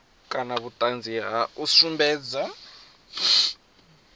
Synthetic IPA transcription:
kʼanaβutʼand͡zʱiɦausumbɛːd͡za

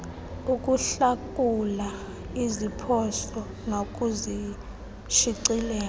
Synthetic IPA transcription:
uk̬ʼuɬakʼula | izipʰɔsɔ | nok̬ʼuzi | ʃiǀilɛːl

